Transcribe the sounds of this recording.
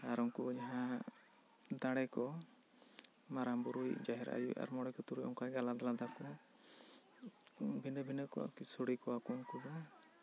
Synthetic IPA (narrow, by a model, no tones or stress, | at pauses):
aɾɔŋkud͡ʒaɦã | d̪aɽɛkɔ | maɾambɔɾujd͡ʒaɦɛɾa̰jua̰ɾmɔɽɛkɔt̪uɾujɔŋkajɡalad̪alad̪akɔ | bʱinəbʱinəkɔ̰a̰kisoɽikɔwakuŋkuba